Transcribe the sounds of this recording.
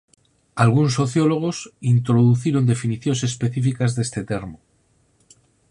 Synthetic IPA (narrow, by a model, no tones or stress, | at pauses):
alɣuns̬o̞θjo̞lo̞ɣ̞o̞sint̪ɾo̞ðuθiɾond̪e̞finiθjo̞nse̞spe̞θifikazðest̪e̞t̪e̞ɾmo